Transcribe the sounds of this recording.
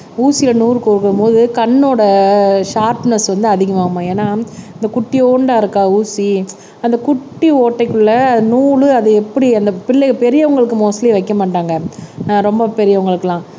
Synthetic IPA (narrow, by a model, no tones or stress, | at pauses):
uːsɪjlɐnuːɾɯkoɾɯkːɐɾɯmpoːðɯkɐɳːoːɽɐʂaːɾpnɐsʋɐnd̪ɯɐðɪɣɐmaːmːãːeːnːaːɪnd̪ɐkʊʈːioːɳɖaːɪɾɯkːaːuːsi | ɐnd̪ɐkʊʈːioːʈːɐɪkːɯɭːɐnuːɻɯɐðɯɛpːɐɽiɐnd̪ɐpɪɭːɐpɛɾɪjɐʊŋɡɐɭɯkːɯmoːsɐliʋɐɪkːɐmaːʈːaːŋɡɐɾɔmbɐpɛɾɪjɐʋʊŋɡɐɭɯkːɯlãː